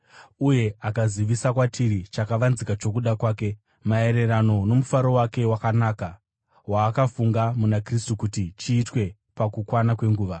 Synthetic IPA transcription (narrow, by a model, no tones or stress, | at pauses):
uje̞akaziʋisakwatiɾit͡ʃakaʋanzikat͡ʃo̞k̬uɗakwaːke̞ | mae̞ɾe̞rano̞no̞mufaɾo̞wake̞wakanaːka | waːkafuŋɡamunakristukutit͡ʃiːtwe̞ | pakukwanakwe̞ŋɡuːʋa